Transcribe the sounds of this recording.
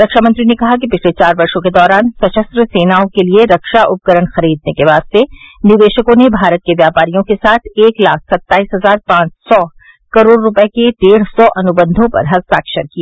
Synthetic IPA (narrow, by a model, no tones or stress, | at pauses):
ɾɐkʃamɐ̃nt̪ɾinekɐɦak̬ipɪt͡ʃʰlet͡ʃaːɾbɐɾʃõked̪ɔːɾaːnsɐt͡ʃəst̪ɾəseːnaːõkelieɾɐkʃaʔʊp̚kəɾənxɐɾiːd̪nekeʋaːst̪enɪʋeːʃəkõnebʱaːɾət̪̚keʋjaːpaːɾijõkesaːt̪ʰeːklaːk̚ʰsɐt̪ːaːiːsɦɐzaːɾpãːt͡ʃsɔ | kɐɾoːɽːʊpəeked̪eːɽsɔʔɐnʊbə̃nd̪ʱõpɐ̰ɾɦɐst̪aːkʃəɾkiaː